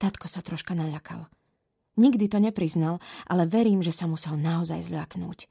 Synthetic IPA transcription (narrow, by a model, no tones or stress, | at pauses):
t̪at̪kɔsat̪ɾɔʃkanaʎakʰa̰l | ɲiɡd̪it̪ɔɲɛpɾiznalʔa̰lɛʋɛɾiːmʒɛsamusɛlnaɔza̰jzʎaknṵːc